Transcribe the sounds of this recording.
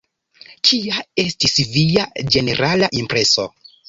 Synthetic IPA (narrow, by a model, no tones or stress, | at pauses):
t͡ʃiae̞stisviad͡ʒe̞ne̞ɾʔalaʔimpɾe̞so̞